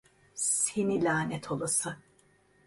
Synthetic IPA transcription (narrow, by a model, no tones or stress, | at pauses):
senilʲaːnɛt̪ʰo̞lˠasɯ